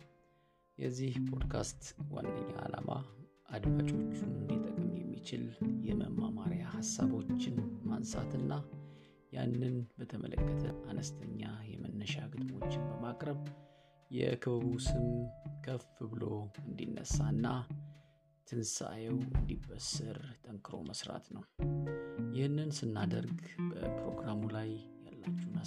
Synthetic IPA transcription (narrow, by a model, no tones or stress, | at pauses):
jɛzːihpʰo̞d̪kʰast̪wa̰nd̪ə̰ɲːaalama | ʔad̪mat͡ʃʼo̞t͡ʃːunɨnd̪it̪ʼəkʼmjɛmːit͡ʃɪljɛməmːamaɾjahasːaβo̞t͡ʃːɪnmansat̪ʰɨnːa | janːɨnbət̪ʰəmʔələkʼːət̪ʰəanəst̪ʰəɲːajɛmənːəʃakʰɨt̪mo̞t͡ʃːɪnbəmakʼɾəβ | jɛkʰɨββusɨmkʰəfɨβɨlo̞ɨnd̪inːəsːanːa | t̪ʰɨnsajɛwɨ̰nd̪ibːəsɨɾt̪ʼəŋkʰʼɨɾo̞̰məsɾa̰t̪nəw | jɪhnːɨnsɨnːad̪əɾɡbəpɾo̞ɡɾamulajjalːat͡ʃːuhna